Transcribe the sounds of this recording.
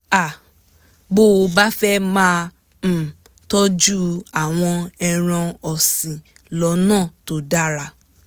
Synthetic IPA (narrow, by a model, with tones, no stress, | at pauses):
a˨ | bo˦o˧ba˦fɛ˦mãː˦˨ | tɔ˦d͡ʒu˦a˦˨w̃ɔ̃˧ɛ˧ɾ̃ã˧ɔ˨sĩ˨ | lɔ˧˦nãː˦˨to˨da˦ɾa˧